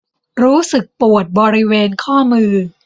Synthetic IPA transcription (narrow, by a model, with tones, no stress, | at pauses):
ɾuː˦˥sɯ˨˩k̚pu˨˩ət̪̚bɔː˧ɾi˦˥weː˧nkʰɔː˥˩mɯː˧